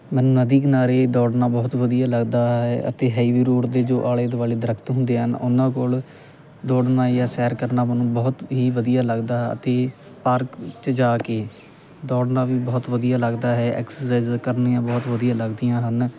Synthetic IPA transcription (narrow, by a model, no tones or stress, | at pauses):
mɛ̃ːnũːnəd̪iːknaːɾeːd̪ɔːɽnaːbɔːt̪ʋəd̪ijaːləɡd̪aːɦɛːʔət̪eːɦɛːiːʋiːɾoːʈd̪eːd͡ʒoːʔaːleːd̪ʋaːleːd̪əɾəkʰt̪ɦʊ̃nd̪eːɦənʊnãːkoːl | d̪ɔːɽnaːjaːsɛːɾkəɾnaːmɛnũːbɔːt̪ɦiːʋəd̪ijaːləɡd̪aːɦɛə̰t̪eː | paːɾkt͡ʃəd͡ʒaːkeː | d̪ɔːɽnaːʋiːbɔːt̪ʋəd̪ijaːləɡd̪aːɦɛːʔɛ̰ːksəɾsaːɪzkəɾniːãːbɔːt̪ʋəd̪ijãːləɡd̪ijãːɦən